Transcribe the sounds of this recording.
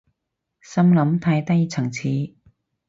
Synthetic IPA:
sɐ˥mlɐ˨˧˥mt̪ʰɐ˨˥jt̪ɐ˥jt͡sʰɐ˨˩ŋt͡sʰiː˨˥

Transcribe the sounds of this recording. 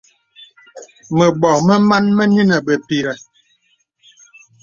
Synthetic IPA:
mə˨ɓɔ˨mə˦ma˦nmə˦ni˦nə˨ɓə˨pi˨ɾɛ˨

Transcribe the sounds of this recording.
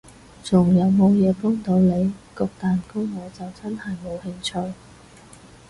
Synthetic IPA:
t͡sʊ˨˩ŋjɐ˨˧wmo˨˧wjɛː˨˧pɔː˥ŋt̪o˨˧wle˨˧jkɔː˧k̚t̪aː˨nkʊ˥wŋɔː˨˧t͡sɐ˨wt͡sɐ˥nhɐ˨jmo˨˧whɪ˧ŋt͡ʃʰɵ˧ɥ

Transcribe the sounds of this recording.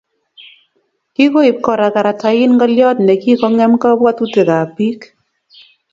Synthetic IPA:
ki˦ko˦i˨p̚kɔ˨ɾa˨ka˨ɾa˨ta˨ɪ˦nŋɡɔ˦ljɔ˦tnɛ˨ki˦kɔ˦ŋɛ˦mka˦bwa˦t̪u˦te˨ka˨pi˦k

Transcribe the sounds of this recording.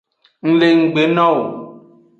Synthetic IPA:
ŋ̩˦le˨ŋ̩˨ɡ͡be˨nã˦wo˨

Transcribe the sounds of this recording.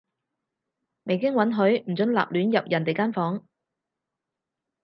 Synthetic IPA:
me˨jkɪ˥ŋwɐ˨˥nɦɵ˨˥ɥm̩˨˩t͡sɵ˨˥nla̰ː˨p̚lyː˨˥njɐ˨p̚jʔɐ˨˩nt̪e˨jkaː˥nfɔː˨˥ŋ

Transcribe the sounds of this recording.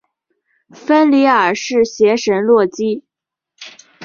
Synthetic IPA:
fə˥nli˧˥ə˞˨˩ʂɻ̩˥˩ɕjɛ˧˥ʂə˧˥nlwɔ˥˩t͡ɕi˥

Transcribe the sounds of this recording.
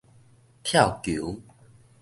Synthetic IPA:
t̪ʰja˥˨wkju˨˦

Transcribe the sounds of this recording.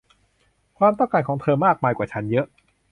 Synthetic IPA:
kʰwaː˧mt̪̬ɔ˥˩ŋkaː˧˩nkʰɔː˩˦ŋt̪ʰɤː˧maː˥˩k̚maː˧jkwaː˨˩t͡ɕʰa˦˥njɤ˦˥ʔ

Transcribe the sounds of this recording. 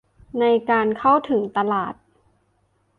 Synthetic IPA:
na˧jkaː˧nkʰa˥˩wt̪ʰɯ˩˦ŋt̪a˧laː˨˩t̪̚

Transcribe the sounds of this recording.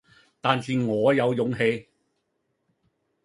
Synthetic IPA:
t̪aː˨˧nsiː˨˧ŋɔː˨˧jɐ˨˧wjʊ˨˧ŋɦe˧j

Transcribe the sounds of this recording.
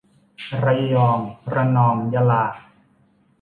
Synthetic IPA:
ɾa˧jjɔː˧ŋpɾa˧nɔː˧˩ŋja˧laː˨˩k̚

